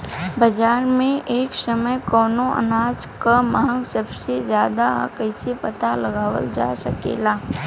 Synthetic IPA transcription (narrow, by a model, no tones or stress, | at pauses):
bɐd͡ʒaːɾmẽʔeːksəməjkɔːnõʔə̰naːd͡ʒkamãːŋɡsəbsezjaːd̪akəɪsepət̪alɐɡaːʋə̰ld͡ʒa̰ːsəkḛːlaː